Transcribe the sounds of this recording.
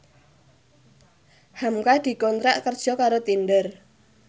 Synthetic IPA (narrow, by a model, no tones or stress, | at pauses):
hamkad̪̥i̤kɔnt̪ɾaʔkərd̥ʒ̥ɔ̤kaɾot̪indər